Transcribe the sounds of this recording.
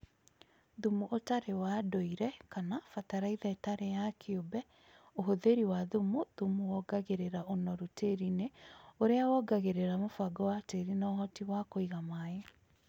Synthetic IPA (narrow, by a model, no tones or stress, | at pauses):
ðumuʔotaɾewaːdoiɾɛkanafataɾaiðɛtaɾejakʰeobɛ | oɦoðeɾiwaðumuðumuwɔɡaɣeɾeɾaonɔɾutʰeɾineoɾeawɔɡaɣeɾeɾamofaɡɔwateɾinaɔɦɔtiwakoiɣamae